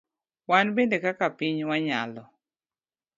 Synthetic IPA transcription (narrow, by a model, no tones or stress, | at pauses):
wanbendekakapiɲwaɲa̰lɔ